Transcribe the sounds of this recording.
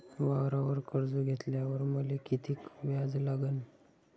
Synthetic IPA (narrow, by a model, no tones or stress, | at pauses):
ʋawɾaʋəɾkəɾd͡zuɡʱet̪ljaʋəɾməlekit̪ʰiːkʋjad͡zlaɡən